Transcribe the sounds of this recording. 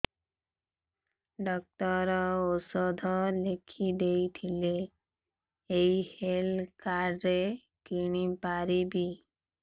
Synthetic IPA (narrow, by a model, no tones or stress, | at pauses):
ɖɔk̚tɔɾɔosɔd̪ʱɔlekʰid̪ejt̪ʰile | jhelkaɾːe | kiɽ̃ipaɾibi